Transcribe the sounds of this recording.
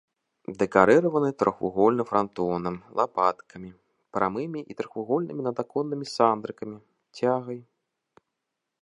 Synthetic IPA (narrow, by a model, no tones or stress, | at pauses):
d̪ɛkaɾɨɾɐvɐnɨt̪ɾɔxṵɣɔlʲnɨfɾant̪ɔnɐmlˠapat̪kʰɐmʲi | pɾʔamɨmʲiʔit̪ɾɔxuɣɔlʲnɨmʲinɐd̪akɔnːɨmʲisand̪ɾɨkɐmʲi | t͡sʲaɣɐj